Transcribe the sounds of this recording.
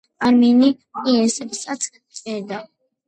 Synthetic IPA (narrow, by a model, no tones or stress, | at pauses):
aɾmɛni | iɛsɛbsat̪sʰ | t͡sʼɛd̪a